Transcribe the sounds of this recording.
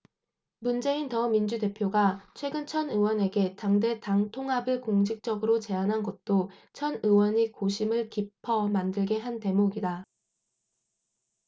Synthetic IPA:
mund͡ʑe̞intʌmind͡ʑude̞pʰjoɡat͡ɕʰwe̞ɡɯnt͡ɕʰʌnɯwʌne̞ɡe̞taŋde̞taŋtʰoŋɦabɯɭkoŋd͡ʑʰik̚t͡ɕ͈ʌɡɯɾot͡ɕe̞anɦanɡʌt̚t͈o | t͡ɕʰʌnɯwʌɲikoɕʰimɯɭkipʰʌmandɯɭɡe̞ɦante̞moɡida

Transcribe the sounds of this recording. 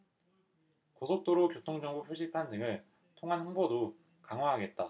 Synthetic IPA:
kosʰok̚t͈oɾokjotʰoŋd͡ʑʌŋbopʰɥeɕ͈ʰitʰandɯŋɯɭ | tʰoŋɦanhɯŋbodo | kaŋɦwaɦaɡe̞t̚t͈a

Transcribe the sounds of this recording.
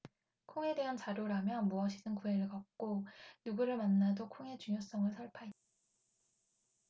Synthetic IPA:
kʰoŋe̞de̞ɦant͡ɕaɾjoɾamjʌnmuʌɕʰidɯnkuɦeɾɯɭkʌk̚k͈onuɡuɾɯɭmanːadokʰoŋe̞t͡ɕuŋjos͈ʌŋɯɭsʰʌɭpʰait̚a

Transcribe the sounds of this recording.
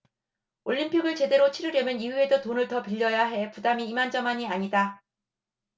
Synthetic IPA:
oʎːimpʰiɡɯɭt͡ɕe̞de̞ɾot͡ɕʰiɾɯɾjʌmjʌniue̞dotonɯɭtʌpiʎːʌjaɦe̞pudamiːmand͡ʑʌmaɲiaɲida

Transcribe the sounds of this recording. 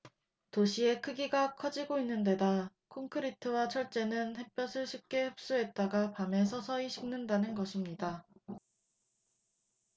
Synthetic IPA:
toɕʰie̞kʰɯɡiɡakʰʌd͡ʑiɡoinːɯnde̞da | kʰoŋkʰɯɾitʰɯwat͡ɕʰʌɭt͡ɕ͈e̞nɯnɸe̞p͈jʌsʰɯɭɕʰip̚k͈e̞hɯp̚s͈uɦe̞t̚t͈aɡapame̞sʰʌsʰʌiɕʰiŋnɯndanɯnɡʌɕʰimɲida

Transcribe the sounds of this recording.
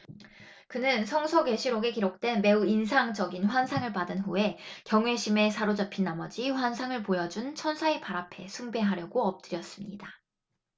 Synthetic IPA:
kɯnɯnsʰʌŋsʰʌɡwe̞ɕʰiɾoɡe̞kiɾok̚t͈we̞nme̞uinsʰaŋd͡ʑʌɡinɸwansʰaŋɯɭpadɯnɸue̞kjʌŋwe̞ɕʰime̞sʰaɾod͡ʑapʰinːamʌd͡ʑiɸwansʰaŋɯɭpojʌd͡ʑunt͡ɕʰʌnsʰaepaɾapʰe̞sʰuŋbe̞ɦaɾjʌɡoʌp̚t͈ɯɾjʌs͈ɯmɲida

